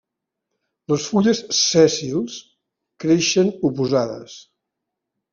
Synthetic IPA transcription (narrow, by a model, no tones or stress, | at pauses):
ləsfuʎəsːɛsilˠs | kɾeʃənupuzaðə̰s